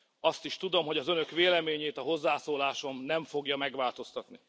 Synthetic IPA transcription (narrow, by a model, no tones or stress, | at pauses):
ɒst̪iʃt̪ud̪o̞mɦo̞ɟɒzø̞nø̞kʋeːlɛmeːɲeːt̪ɒɦo̞zːaːsoːlaːʃo̞mnɛɱfo̞ɡjɒmɛɡʋaːlt̪o̞st̪ɒt̪ni